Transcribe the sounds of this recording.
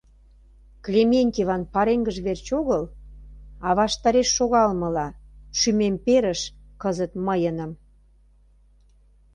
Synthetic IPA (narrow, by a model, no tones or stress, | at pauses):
klʲemenʲt̪ʲevɑnpɑɾeŋɡəʒβert͡ɕoɣəl | ɑβɑʃt̪ɑɾeʃːoɣɑlmə̆lɑʃymempeɾəʃ | kəzət̪məjənə̆m